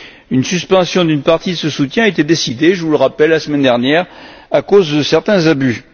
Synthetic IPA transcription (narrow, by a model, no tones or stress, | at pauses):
ynsyspɑ̃sjɔ̃d̪ynpaʁt̪id̪əsəsut̪jɛ̃aet̪ed̪esid̪eʒəvuləʁapɛlːasəmɛnd̪ɛʁnjɛːʁ | akozd̪əsɛʁt̪ɛ̃zaby